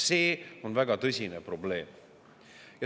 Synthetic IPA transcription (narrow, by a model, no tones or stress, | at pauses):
se̞ːo̞nvæɡɑt̪ɤsʲinepro̞ble̞ːm | jɑ